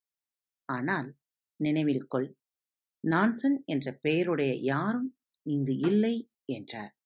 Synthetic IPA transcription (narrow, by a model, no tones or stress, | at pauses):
ʔaːnaːl | nɪnɐɪʋɪlkɔɭ | naːnsɐnɛndrɐpejɐɾɯɽɐjɐjaːɾɯm | ɪŋɡɯʔɪlːɐɪ | ɛndraːɾ